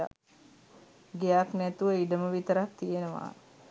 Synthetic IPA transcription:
a̰ | ɡejaknæt̪uʋəiɖəməʋit̪əɾak̚t̪ijenəʋa̰ː

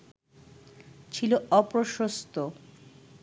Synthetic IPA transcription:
t͡ɕʰiloɔpɾoʃost̪o

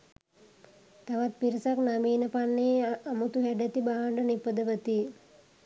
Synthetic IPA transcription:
t̪aʋat̪̚piɾisaknamiːnəpanːeamut̪uɦæɖet̪ibaɦaɳɖənipəd̪əʋət̪i

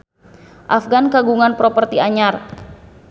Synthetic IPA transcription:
ʔafɡankaɡuŋanpɾɔpərt̪iaɲar

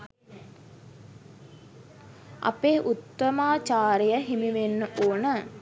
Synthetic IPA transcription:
a̰peːʔut̪ːəmaːt͡ʃaːɾijəɦimiʋenːəʔoːnə

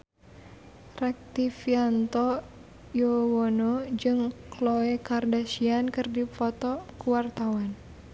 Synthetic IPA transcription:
rɛk̚t̪ifiant̪ɔ | jowɔnɔd͡ʒɨŋkloɛkardasiankɨrdifɔt̪ɔkuwart̪awan

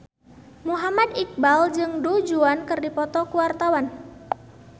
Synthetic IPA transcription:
muɦamad̪ik̚bald͡ʒɨŋdud͡ʒuankɨrdipɔt̪ɔkuwart̪awan

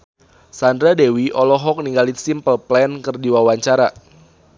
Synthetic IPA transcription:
sandɾadewiʔɔlɔɦɔk̚niŋɡalisimpəlplɛnkərdiwawaɲt͡ʃaɾa

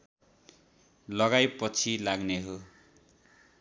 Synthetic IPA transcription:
lʌɡajpʌt͡sʰilaɡneɦo

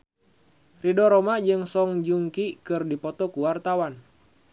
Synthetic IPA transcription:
ridɔɾɔmad͡ʒɨŋsɔŋd͡ʒuŋkikɨrdipɔt̪ɔkuwart̪awan

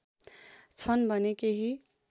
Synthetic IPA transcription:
t͡sʰʌnbʱʌnekeɦi

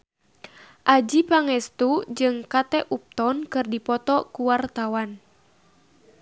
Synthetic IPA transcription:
ʔad͡ʒipaŋɛst̪ud͡ʒɨŋkat̪ɛʔup̚t̪ɔnkɨrdipɔt̪ɔkuwart̪awan

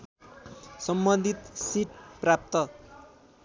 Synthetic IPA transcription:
sʌmbʌnd̪ʱit̪siʈprap̚t̪ʌ

